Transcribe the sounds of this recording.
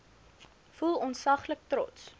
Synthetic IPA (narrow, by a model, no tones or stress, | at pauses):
fulˠɔnsɐχlək̚tɾɔ̰ts